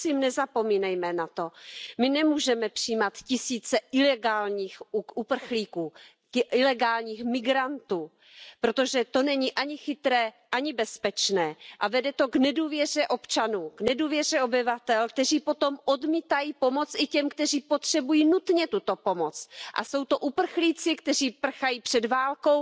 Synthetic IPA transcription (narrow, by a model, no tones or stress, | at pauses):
ɪmnɛzapo̞miːnɛjmɛnat̪o̞mɪnɛmuːʒɛmɛpr̥ijmat̪cɪsiːt͡sɛɪlɛɡaːlɲiːxuupr̩xliːkuː | ɪlɛɡaːlɲiːxmɪɡɾant̪uː | pɾot̪o̞ʒɛt̪o̞nɛɲiʔaɲɪxɪt̪ɾɛː | ʔaɲɪbɛspɛt͡ʃnɛːʔavɛdɛt̪o̞ɡnɛduːvjɛrɛʔo̞pt͡ʃanuːɡnɛduːvjɛr̝ɛo̞bɪvat̪ɛlk̚t̪ɛr̝iːpo̞t̪o̞mʔodmiːt̪ajiːpo̞mo̞t͡sʔɪcɛmkt̪ɛr̝iːpot̪r̥ɛbujiːnut̪ɲɛt̪ut̪o̞po̞mo̞t͡sʔa̰so̞wt̪o̞ʔupr̩xliːt͡sɪkt̪ɛr̝iːpr̩xajiːpr̥ɛdvaːlkow